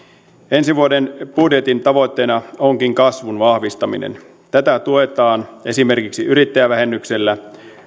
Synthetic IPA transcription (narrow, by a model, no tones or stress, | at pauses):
e̞nsiʋuodenbudje̞t̪int̪ɑʋo̞t̪ːe̞ːnɑoŋkiŋkɑsʋunʋɑhʋist̪ɑmḭnḛn | t̪æt̪æt̪ue̞t̪ɑːne̞sime̞rkiksiʔyɾit̪ːæjæʋæɦe̞nːykselːæ